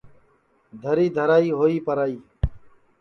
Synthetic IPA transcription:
d̪ʱəɾiːd̪ʱəɾaːiːɦoːiːpəɾaːiː

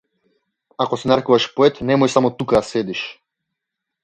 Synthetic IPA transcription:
akɔsɛnaɾkuvaʃpɔɛt̪nɛmɔjsamɔt̪ukaasɛd̪iʃ

